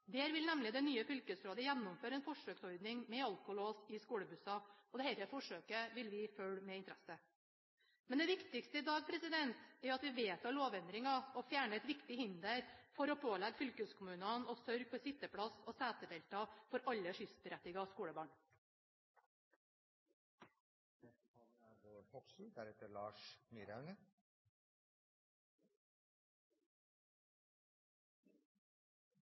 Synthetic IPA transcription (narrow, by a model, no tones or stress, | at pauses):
d̪ɛæɾʋɪlnɛmlɪd̪ɛnyːəfʏlkəsɾoːd̪əjænːʊmføːɾəɛːnfɔʂøːksɔɾd̪nɪŋmɛɑlkʊloːsɪskuːɽəbʉsɑɔd̪ɛhɛɪɾəfɔʂøːkəʋɪlʋɪfœɭmɛɪnt̪ɾɛsə | mɛnd̪ɛʋɪkt̪ɪkst̪əɪd̪ɑːɡ̚pʰɾɛsɪd̪ɛnt̪æɾjʊɑt̪ʋɪʋeːt̪ɑɭoːʋɛnd̪ɾɪŋɑɔfjæːɳəɛt̪ʋɪkt̪ɪhɪnd̪əɾfɔɾoːpʰoːlæɡfʏlkəskʰʊmʉːnɑnoːsœɾɡ̚pʰosɪt̪əpʰɽɑsoːsæːt̪əd̪ɛːlt̪ɑfɔɾɑʎːəʃʏsbəɾɛt̪ːɪɡɑskuːɽəbɑːɳ | oɔksæɾɛt̪əɭɑːʂmyɾɑʉnə